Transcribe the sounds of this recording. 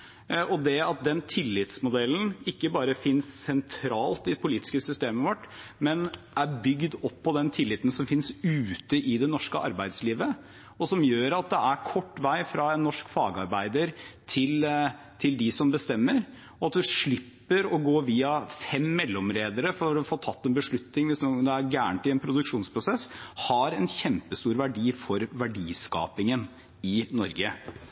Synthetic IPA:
ʔɔd̪ɛɑt̪̚d̪ɛnt̪ʰɪlːɪt̪smʊd̪ɛlːn̩ɪkːəbɑːɾəfɪnsːɛnt̪ʰɾɑːlt̪ɪpʰʊliːt̪ɪ̥skəsʏst̪eːməʋɔʈːmɛn | æɾbʏɡd̪ɔpʰːɔd̪ɛnt̪ʰɪlːɪt̪ən̩sɔmfɪnsʉːt̪əʔɪd̪ɛnɔʂkəʔɑ̰ɾbæɪd̪sliːʋə | ɔsɔmjøːɾɑt̪̚d̪ɛæɾkʰɔʈːʋæɪfɾɑɛnːɔʂkfɑːɡɑ̰ɾbæɪd̪əɾt̪ʰɪl | t̪ʰɪld̪ɪsɔmbəst̪ɛmːəɾ | ɔɑt̪̚d̪ʉʂɭɪpːəɾɔɡoːʋiːɑfɛmːɛlːɔmɾeːd̪əɾəfɔɾɔfoːt̪ʰɑt̪ːɛnbəʂɭʉt̪nɪŋʋɪsnuːd̪ɛæɾɡæːɳət̪ɪɛnpʰɾʊd̪ʉkʂuːnspʰɾʊsɛshɑɾɛnçɛmpəst̪uːɾʋæɖiːfɔɾʋæɖiːskɑ̰ːpɪŋən | ɪnɔɾɡə

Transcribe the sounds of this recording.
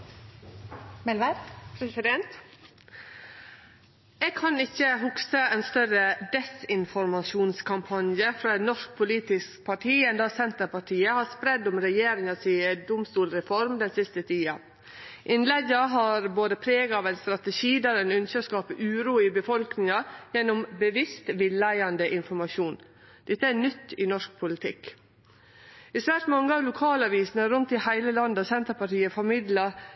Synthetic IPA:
mɛlʋɛpɾɛsɪd̪ɛnt̪ | eːɡ̚kʰɑnɪçːəhʊksəɛnst̪œɾəd̪ɛsɪnfɔɾmɑʃuːnskʰɑmpʰɑnjəfɾɑːɛnɔʂk̚pʰʊliːt̪ɪskpʰɑʈʰiːɛnd̪ɑːsɛnt̪əɾpɑʈʰiːəhɑːspɾɛd̪ːʊmɾɛjeːɾɪŋɑsid̪ʊmst̪uːlɾɛfɔɾmd̪ɛnsɪst̪ət̪ʰiːɑ | ʔɪnlɛɡəɦɑɾboːd̪əpʰɾeːɡɑːʋæɪnst̪ɾɑt̪əʃiːd̪æɾɛnʉnsəskɑːpəʔʉːɾuːɪbəfɔlknɪŋɑjɛnːʊmbəʋɪst̪ʋɪlːæɪɑnd̪əʔɪnfɔɾmɑʃuːn | d̪̥ɪt̪ːəænʏt̪ːɪnɔʂk̚pʰʊlɪt̪ʰɪ̰k | ɪsʋæɾʈmɑŋːəɑʋlʊkʰɑːlɑʋiːsnəɾʉnt̪ɪhæɪləlɑnd̪əɔsɛnt̪əpɑʈiːəfɔɾmɪd̪lɑ

